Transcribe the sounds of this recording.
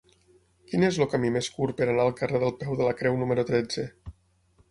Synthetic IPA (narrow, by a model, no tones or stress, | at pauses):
kinezlokəmimeskuɾpəɾanaəlˠkəreðəlˠpɛwðələkɾɛwnuməɾut̪ɾɛd͡zə